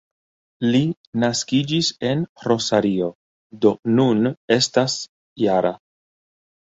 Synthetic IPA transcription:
li | naskid͡ʒise̞nro̞saɾio̞ | do̞nune̞stas | jaɾʔa

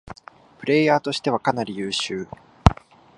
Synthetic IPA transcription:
pɯ̟ɾe̞ːjaːt̪o̞ɕi̥t̪e̞βakanaɾʲijɯːɕɨː

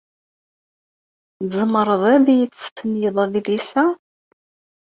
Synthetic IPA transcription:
zˤəməɾˤəðˤæðijət͡sːə̥fənjəðˤæðilisæ

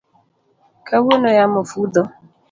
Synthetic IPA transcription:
kʰawonojamʊfud̪ɔ

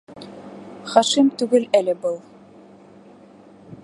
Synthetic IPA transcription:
χɑʃimt̪ʉɡɘlælɘ̆bɤlˠ

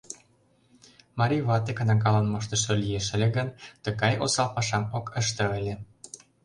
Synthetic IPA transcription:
mɑɾʲijβɑt̪ekə̆nɑkɑlɑnmɑʃ̬t̪ə̆ʃɤ̆lijeʃə̆lʲĕɡənt̪ə̆ɣɑjosɑlpɑʃɑmokʰəʃt̪ɤ̆elʲe

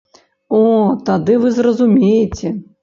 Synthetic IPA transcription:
ɔt̪ad̪ɨvɨzrɐzumʲejet͡sʲɛ

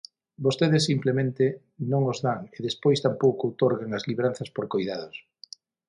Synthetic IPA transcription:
bost̪eðɪsːimplemẽnt̪ɪ | nõŋozðaŋeðespojst̪ampowkowt̪oɾɣeŋɐzliβeɾan̟θɐspoɾkojðaðos

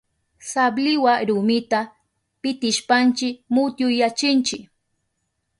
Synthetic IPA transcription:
sablɪwaɾʊmɪt̪a | pɪt̪ɪʃpant͡ʃɪkmʊt̪jʊjat͡ʃɪnt͡ʃɪk

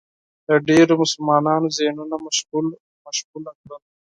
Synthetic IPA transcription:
d̪̥əɖeɾomʊsʊlmɑːnɑːnozenunamaʃɣul | maʃɣulakɾal

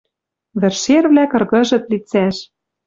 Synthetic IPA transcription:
βɘ̆rʃerβlækɤ̆rɣɤ̆ʒɤ̆t̪lit͡sæʃ

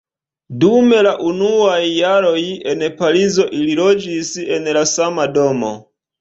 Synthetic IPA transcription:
dume̞laʔunuajːaɾo̞je̞npaɾizo̞ʔililo̞d͡ʒise̞nlasamado̞mo̰

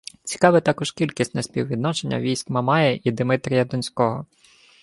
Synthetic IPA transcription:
t͡sʲi̥kɑʋɪt̪ɑkɔʒkʲilʲkʲisʲtʲnɛspʲiwʋʲid̪nɔt͡ʃenʲːɐ̰ʋʲijsʲkmɐmɑjɛʔid̪ɪmɪt̪ɾʲijɐd̪ɔnʲsʲkɔɦɔ

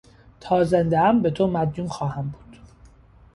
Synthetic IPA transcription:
t̪ʰɒːzend̪eæmbet̪ʰomæd̪juːnxɒːhæmbu̥ːd̪̥

